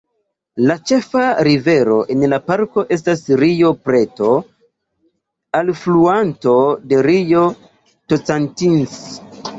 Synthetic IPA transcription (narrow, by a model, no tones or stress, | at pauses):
lat͡ʃe̞faɾive̞ɾo̞ʔe̞nlapaɾko̞ʔe̞s̬tasɾijo̞pɾe̞to̞ | alfluanto̞de̞ɾijo̞ | tot͡santins